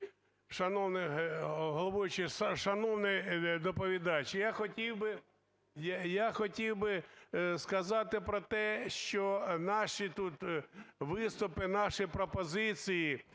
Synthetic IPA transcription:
ʃɐnɔwnɪɦɔlˠɔʋujʊt͡ʃɪʃʃɐnɔwnɪd̪ɔpɔʋʲid̪ɑt͡ʃjaxɔtʲiwbɪ | jjaxɔtʲiwbɪskɐzɑt̪ɪpɾɔt̪ɛʃt͡ʃɔnɑʃit̪ut̪ʋɪst̪ʊpɪnɑʃipɾɔpɔzɪt͡sʲiji

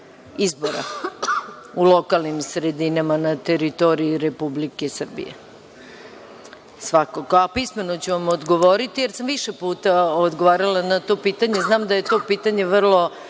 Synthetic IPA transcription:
izboɾa̰ | ulˠo̞kalnimsɾe̞d̪inamanat̪e̞ɾit̪o̞ɾiiɾe̞publikesr̩bḭjḛ | sʋakakoapisme̞not͡ɕuʋamod̪ɡo̞ʋo̞ɾit̪ije̞ɾsamʋiʃepuːt̪aod̪ɡoʋaːɾalˠanat̪o̞piːt̪aɲe̞znaːmd̪aje̞t̪o̞piːt̪aɲe̞ʋr̩lˠo̞

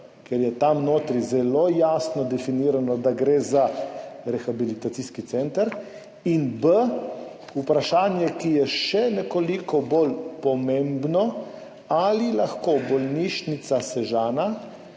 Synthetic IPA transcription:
kɛɾjɛt̪amnoːt̪ɾizɛloːjaːsnɔd̪ɛfiniːɾanɔd̪aɡɾeːzaɾɛxabilit̪at̪siːskit̪sɛnt̪əɾ | inbə | upɾaʃaːnjɛkijɛʃɛnɛkolikɔbolpɔmẽmbnɔ | alilaxkobɔlniʃnit̪sasɛʒaːna

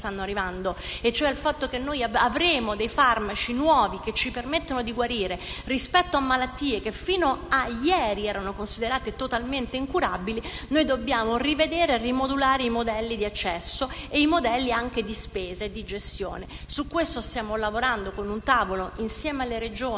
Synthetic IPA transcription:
t̪anːoarːivand̪oet͡ʃːoɛilfat̪ːokenːojaavɾeːmod̪ejfarmat͡ʃinwɔːvik̟et͡ʃːipermet̪ːonod̪iɡwaɾiːɾerispɛt̪ːoamːalat̪ːiːek̟efiːnoajɛːɾiɛːɾanokonsid̪eɾaːt̪et̪ot̪alment̪eiŋkuɾabili | nojd̪obːjaːmorived̪eːɾeerimod̪ulaːɾeimod̪ɛlːid̪iat͡ʃːɛsːo | eimod̪ɛlːiaŋk̟ed̪ispeːzaed̪ːid͡ʒest̪jo̰ːne | sukːwest̪ost̪jaːmolavoɾand̪okonunt̪aːvoloinsjɛːmealːeɾed͡ʒoː

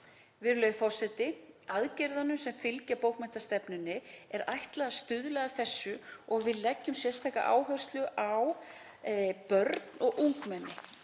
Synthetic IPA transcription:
vɪɾlœɥfɔr̥sɛt̪ɪaðcɛɾðanʏmsɛmfɪlcapowkmɛn̥t̪ḁst̪ɛpnʏnːɪɛɾajht̪lɛɣðast̪ʏðlɛɣaθɛsːʏɔɣvɪðlɛcːʏmsjɛ̥st̪ʰajka̰ʔa̰ːwɦœr̥st̪lʏʔaw | pœɾt̪nɔɣʔuŋkmɛnːɪ̰

